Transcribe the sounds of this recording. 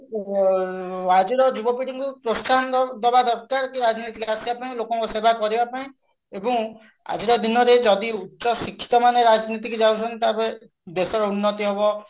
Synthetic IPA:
ad͡ʒiɾɔd͡ʒubɔpiɖiŋkupɾost̪ʰand̪ɔbad̪ɔɾkaɾkiɾad͡ʒnit̪ikasibapaĩlokɔŋkusebakɔɾibapaĩ | ebɔ̃ŋ | a̰d͡ʒiɾɔd̪inɔɾed͡ʒɔd̪iutːʃɔsikʰːi̥t̪ɔmaneɾad͡ʒnit̪ikid͡ʒawt͡ʃʰɔnt̪abe | d̪esɔɾɔunːɔt̪iɦebɔ

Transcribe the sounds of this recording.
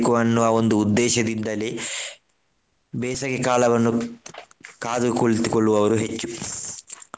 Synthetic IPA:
kuʋɐnːuaːo̞nd̪uːd̪ːɛːʃɐd̪ind̪ɐle | bɛːsɐɡekaːlɐʋɐnːu | kaːd̪ukoɭt̪ukoɭːuʋɐʋɐɾuɦe̞t͡ʃːu

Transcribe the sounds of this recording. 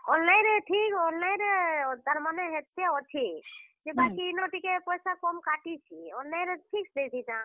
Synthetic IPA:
ollajɾeʈʰikɔnajɾed̪ʱəɾmaneɦet̪ːeot̪ʰid͡ʒebakinoʈikepɔjsakɔmkaʈit͡ʃʰionːaj̃ɾeʈʰiksd̪et̪id͡ʒã

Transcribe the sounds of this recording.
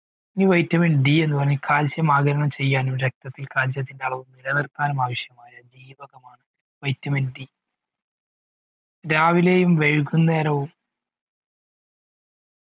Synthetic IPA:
iniʋɐjtːɐmeɳɖie̞nːupɐrɐɲːɐkʰaːld͡ʑjɐmaːɡɐɾɐɳɐmt͡ɕe̞jːaːnumɾek̚t̪ɐt̪ːilkaːld͡ʑjɐt̪̬ːinde̞ɐɭɐʋumniɾɐnirt̪aːnɐmaːʋɐɕjɐmaːjɐd͡ʑiːʋɐɣɐmaːɳɨ | ʋɐjtːɐmeɳɖi | ɾaːʋile̞ːjumʋe̞ɻkunːeːɾɐʋum

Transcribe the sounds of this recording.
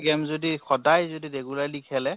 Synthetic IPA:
ɡɛmzodixɔdajzodiɹɛɡulaɹlikʰɛlɛ

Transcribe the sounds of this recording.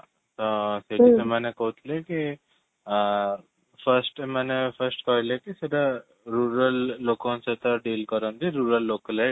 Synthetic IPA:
t̪ɔseisemanekɔɦut̪leki | fʰəsʈemanepʰəsʈkɔɾlekiseʈa | ɾuɾəlːokõnset̪ɔɖiːlkɔɾɔnd̪iɾuɾəlːokəle

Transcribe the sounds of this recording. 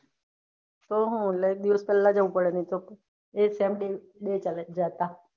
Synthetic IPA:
t̪oɦũːləek̚d̪iʋəspɛːlːad͡ʒəʋũpəɽeniit̪o | esemɗe | ɗet͡ʃald͡ʒat̪a

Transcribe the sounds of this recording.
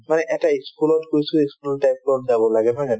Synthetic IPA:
manɛʔɛtaiskulɔtkojsueskulɔltajklɔtzabɔlaɡɛbʰʱaɡɛn

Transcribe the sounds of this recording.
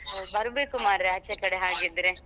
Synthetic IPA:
bɐɾbeːkumaːɾɾeɦɐt͡ʃːɐkɐɽeɦaːɡid̪ɾe

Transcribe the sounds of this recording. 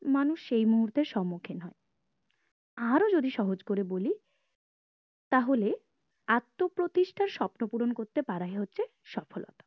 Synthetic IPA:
manuʃejmuɦuɾt̪eɾʃɔmːokʰenɦɔe | aɾod͡ʑod̪iʃɔɦod͡ʑkoɾeboli | t̪aɦole | at̪ːopɾot̪iʃʈʰaɾʃɔpnopuɾonkoɾt̪epaɾaɦeɦotːɕʰe | ʃɔfolo̰t̪ḁ

